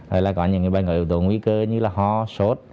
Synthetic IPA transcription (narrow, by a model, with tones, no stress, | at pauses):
ɔ̰˨˩jlaː˨˩kɔ˨˦ɲɨ˧˨ŋ˨˩ɓa˧nŋo̰˧˨ʔi˧˨˩t̪u˧˨ŋwi˧˦kəː˧ɲɨ˧laː˨˩ɦɔ˧so˨˦˥t̚